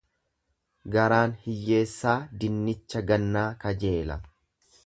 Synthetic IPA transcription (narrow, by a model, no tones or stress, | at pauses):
ɡɐɾaːnhɪjːe̞ːsːaːd̪ɪnːɪt͡ʃːɐɡɐnːaːkɐd͡ʒe̞ːlɐ̰